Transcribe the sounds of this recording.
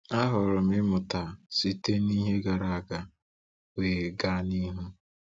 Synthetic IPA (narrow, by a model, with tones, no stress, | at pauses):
a˦ɦʊ˨ɾʊ˨mɪ˦mʊ˨ta˨si˦te˦ni˦ɦe˦ɡa˨ɾa˨a˨ɡa˨ | weː˨ɡa˦˨ni˦ɦu˦